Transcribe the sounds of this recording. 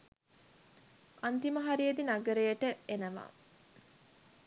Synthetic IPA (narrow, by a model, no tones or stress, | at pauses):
ant̪iməɦaɾijed̪inaɡəɾejəʈəenəʋa̰ː